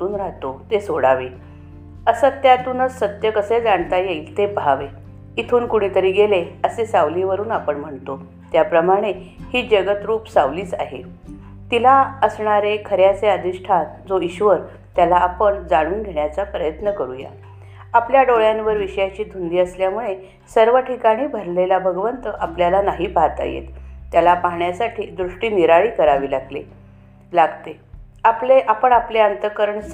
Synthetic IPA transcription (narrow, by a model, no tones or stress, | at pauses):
uːnɾaɦt̪ot̪esoɽaʋe | əsət̪jat̪uːnəsːət̪jəkəsed͡zaɳt̪ajeilt̪eb̤ʱaʋe | it̪ʰuːnkuɽ̃it̪əɾiːɡeleəsesawliʋəɾuːnapəɳm̤əɳt̪o | t̪japɾəmaɽ̃e | hiːd͡ʑəɡət̪ɾuːpsaʋliːt͡sa̰ɦḛ | t̪ilaəsɳaɾekʰəɾjat͡seəd̪iʂʈʰad͡zoiɕʋəɾ | t̪jalaːpəɳd͡zaɽ̃uːnɡʱeɳjat͡sapɾəjət̪nəkəɾuːja̰ | apljaɖoɭjanʋəɾʋiɕjat͡ɕiːt̪und̪iːəsljamuɭe | səɾʋəʈʰikaɽ̃iːbʱəɾlelabʱəɡʋənt̪əʔapljalanaɦiːbʱat̪a̰jḛt̪ːjalapaɦɳjasaʈʰiːd̪ɾuʂʈiːniɾaɭiːkəɾaʋiːlaɡlḛ | laɡt̪e | apleʔapəɳapleənt̪əkəɾəɳ